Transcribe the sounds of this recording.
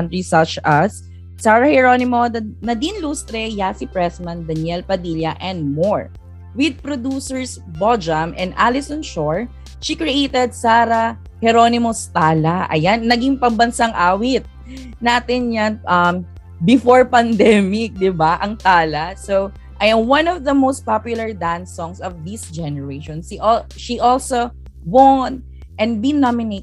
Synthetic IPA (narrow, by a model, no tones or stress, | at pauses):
nt̪ɾisɐt͡ʃɐsː | aːɹɐhɛɹonɪmonɐd̪inlust̪ɾɛjaːsipɹɛsmɐnd̪ɐnjɛlpɐd̪iljɐʔɛnd̪̚moɹ | wɪd̪̚pɾod̪usɛɹs | bod͡ʒɐmʔɛ̃nd̪ʔalɪsɔ̃nʃoɹ | ʃikɹiʔejt̪ɛd̪̚saːɾɐ | hɛɾo̞nɪmost̪aːlaʔɐ̰janːɐɡiŋpɐmbɐnsaŋʔaːwɪt̪̚ | naːt̪ɪnɲanʔɐm | bɪfɔɹpɐnd̪ɛmɪk̚d̪ɪbaʔɐŋt̪aːlɐso | ʔɐjɐ̃mwɐ̃nɔvðɐmowst̪̚papjʊlˠɐɹd̪ãnsɔ̃ŋsɔvðisd͡ʒɛnɛɹeʃɔ̃nsiʔ | ʃiʔɔlso | wɔn | ʔɛ̃nd̪binamɪnet̪